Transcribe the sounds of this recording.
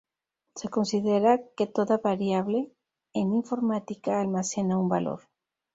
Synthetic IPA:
se̞ko̞nsiðeɾaket̪o̞ðaβaɾjaβle | eniɱfo̞ɾmat̪ikaːlmasenaumbalo̰ɾ

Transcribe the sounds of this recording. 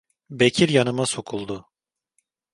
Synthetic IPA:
becʰiɾjanɯmasokʰulˠd̪ʊ

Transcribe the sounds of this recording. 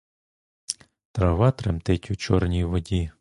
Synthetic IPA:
t̪ɾɐʋɑt̪ɾemt̪ɪtʲut͡ʃɔrnʲijʋɔdʲi

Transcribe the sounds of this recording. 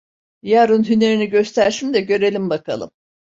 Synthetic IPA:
jaɾunɦyne̞ɾiniɟø̞st̪ʰæɾsimd̪ɛɟø̞ɾe̞lʲimbakʰa̰lˠɯ̰m

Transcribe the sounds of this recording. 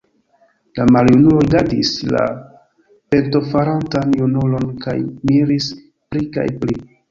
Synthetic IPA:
lamaljunulojɡadḭsla̰ | pe̞nto̞faɾantanjunulo̞nka̰jmiɾis | plika̰jpli

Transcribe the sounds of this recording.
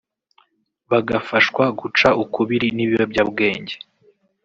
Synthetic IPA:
βaɡafaʃkwaɡut͡ʃaukuβiɾiniβiwebɟabɡe̞ːɲɟe

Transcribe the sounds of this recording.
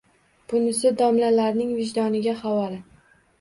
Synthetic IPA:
b̥ʊnɪsɪd̪ɒmlalaɾnɪŋvɪʒd̪ɒnɪɡʲahawɒlɪ

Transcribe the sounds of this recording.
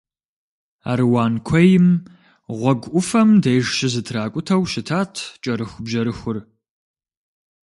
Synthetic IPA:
a̰ːɾwaːnkʷʰɔjɪm | ʁʷɔɡʷʔʷʊfɐmdɐjʒʃɪzɨtʰraːkʷʼʊtʰɐwʃɪtʰaːtʰt͡ʃʼɐɾɨxʷʊbʒɐɾɨxʷʊr

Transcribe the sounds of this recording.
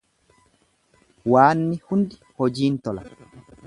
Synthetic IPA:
waːnːɪhʊnd̪ɪ | hɔd͡ʒiːnt̪ɔlɐ

